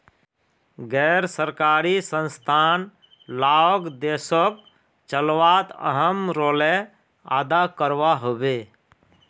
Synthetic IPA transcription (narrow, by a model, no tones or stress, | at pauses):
ɡɛːɾsəɾkaːɾisə̃nst̪ʰaːn | laoɡd̪eːsɔk | t͡ʃəlʋaːt̪ə̰ɦəmɾoːle | a̰ːd̪akəɾwaɦobe